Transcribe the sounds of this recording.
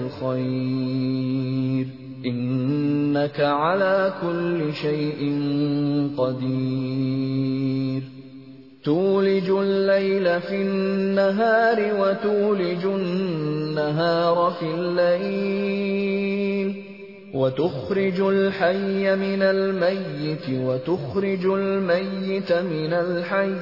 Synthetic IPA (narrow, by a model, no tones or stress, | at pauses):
lxaj | ɾ | ʔɪnː | akaʕalaːkʊlːɪʃajʔɪnqɑd̪iː | ɾ | t̪uːlɪd͡ʒʊlːajlafinːaɦaːɾɪwat̪uːlɪd͡ʒʊː | aɦɑːɾˤɑfilːaj | l | wat̪ʊxɾɪd͡ʒʊlħajːamɪnalmajːɪt̪wat̪ʊxɾɪd͡ʒʊlmajːɪt̪mɪnalħaj